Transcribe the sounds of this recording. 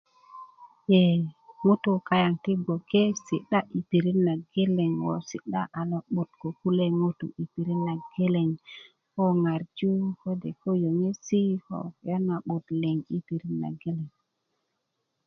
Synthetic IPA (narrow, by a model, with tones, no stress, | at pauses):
je˨ŋu˦tu˨ka˨ja˨ŋti˦ɡo˨ke˦si˨ɗa˦ʔi˨pi˨ɾi˦nːa˨ɡe˦le˨ŋwo̰˨si˨ɗa˦ʔa˨lo˨ɓu˨tko˨ku˦le˦ŋu˦tṵ˨ʔi˨pi˨ɾi˦nːa˨ɡ̥e˦le˨ŋ | ko˦ŋa˨ɾd͡ʒu˦ko˦de˨ko˦jo˨ŋe˦si˦ko̰˨jo˦na˨ɓu˨t̪le˨ŋi˦pi˨ɾi˦nːa̰˨ɡe˦le˨ŋ